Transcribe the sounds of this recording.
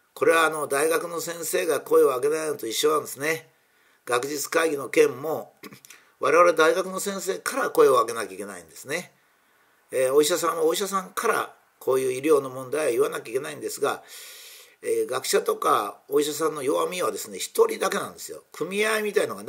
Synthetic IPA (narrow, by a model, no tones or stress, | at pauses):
ko̞ɾe̞βaːno̞d̪aiɡakɯ̟no̞sẽ̞ɰ̃se̞ːɡako̞e̞o̞aɡe̞nant̪o̞iɕːo̞nãnd̪esɨne̞ | ɡ̥akɯ̟ʑit͡sɨ̥kaiɡʲino̞kẽ̞mːo̞ | βaɾe̞βaɾe̞d̪aiɡakɯ̟no̞sẽɰ̃se̞ːkʰaɾako̞e̞o̞aɡe̞nakʲeikʲe̞na̰ḭ̃nd̪e̞sɨne̞ | oiɕasãɰ̃aoiɕ̬asãŋkʰaɾa̰ | kʰo̞ːjɯ̟ːiɾʲo̞ːno̞mõ̞nd̪aiβaiβanakʲeikʲe̞naĩnd̪e̞sɨɡa | eːɡakɯ̟̥ɕat̪o̞kao̞iɕas̬ãnːo̞jo̞βamʲiad̪e̞sɨne̞çi̥t̪o̞ɾʲid̪ake̞nã̰nd̪e̞sɨjo̰kʰɯ̟mʲiaimʲit̪aino̞ɡan